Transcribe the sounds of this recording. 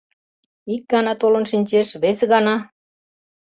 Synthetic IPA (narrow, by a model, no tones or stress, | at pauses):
ik̚ɡɑnɑt̪olə̆nʃinʲt͡ɕeʃβeseɣɑnɑ